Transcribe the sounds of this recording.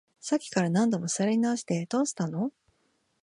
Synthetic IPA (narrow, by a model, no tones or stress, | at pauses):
sakʲːi̥kaɾanãnd̪o̞mo̞saɾeɲ̟inaoɕi̥t̪e̞t̪oːɕi̥t̪ano̞